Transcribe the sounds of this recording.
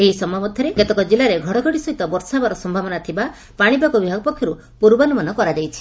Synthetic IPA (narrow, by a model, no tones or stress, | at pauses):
eɦisɔmʱamɔd̪ʱjɔɾeket̪ɔkɔd͡ʒilaɾeɡʱɔɽɔɡʱɔɽisɔɦit̪ɔbɔɾsabaɾɔsɔmbʱabɔnat̪ʰiba | paɽ̃ibakɔbibʱaɡɔpɔkʰjɔɾu | puɾbanumanɔkɔɾad͡ʒajt͡ʃʰi̥